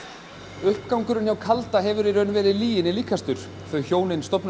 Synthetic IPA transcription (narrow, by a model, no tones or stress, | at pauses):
ʏhpkawŋkʏɾʏnçjawkʰalt̪aɦɛvʏɾiɾœnvɛːɾɪðliːjɪnɪliːkʰast̪ʏɾ̥ | θœɥçoːwnɪnst̪ɔpn